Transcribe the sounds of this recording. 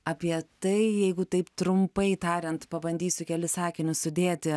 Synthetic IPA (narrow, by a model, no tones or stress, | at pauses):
ɐːpʲiɛt̪ɐɪjɛɪɡʊt̪ɐɪpt̪ɾʊmpɐɪt̪ɑːɾʲɛnt̪pɐbɐnʲd̪ʲiːsʲʊkʲɛlʲɪsɑːkʲɪnʲʊsʊd̪ʲeːt̪ʲɪ